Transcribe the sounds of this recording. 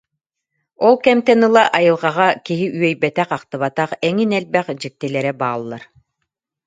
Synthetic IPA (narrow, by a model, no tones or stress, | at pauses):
ɔlˠkɛmt̪ɛnɯlˠaʔajɯlˠʁɑʁakiɦiʔyœjbɛt̪ɛqaqt̪ɯβat̪aqɛŋinɛlbɛχd͡ʑik̚t̪ilɛɾɛbaːlˠːaɾ